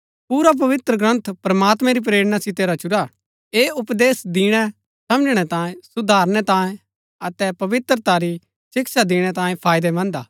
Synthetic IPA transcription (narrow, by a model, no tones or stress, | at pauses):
puːɾap̬ɐʋɪt̪ɾəɡɾɐ̃nt̪ʰpɾɐmaːt̪mɛ̃ɾip̬ɾeːɽənasɪt̪eɾat͡ʃʊɾa | eːʊpd̪eːsd̪iːɽ̃ɛ | sɐ̃md͡ʒɽ̃ɛt̪ãːẽsʊd̪ʱaːɾñɛt̪ãːẽ | ɐt̪ɛpɐʋɪt̪ɾət̪aɾi | sɪksad̪iɽ̃ɛt̪ãːẽpʰaːjd̪ɛmɐ̃nd̪aː